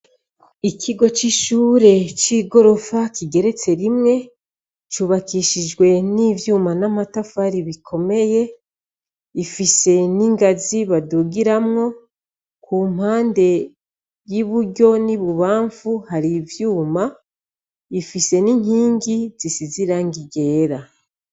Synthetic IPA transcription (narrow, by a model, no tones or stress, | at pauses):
ikʰiɡo̞t͡ʃiʃuːɾe̞t͡ʃiɡo̞ɾo̞fakiɡe̞ɾe̞t͡se̞ɾimŋe̞ | t͡ʃuːβakiʃid͡ʒɡwe̞nivjuːmanamatafaɾiβikʰo̞me̞je̞ | ifise̞niŋɡaziβaduɡiɾamŋo̞ | kʰum̥haːnde̞ | jiβuɟo̞niβuβaːɱfuhaɾivjuːma | ifise̞niŋiːŋɡizisiziɾaŋɡiɟe̞ːɾa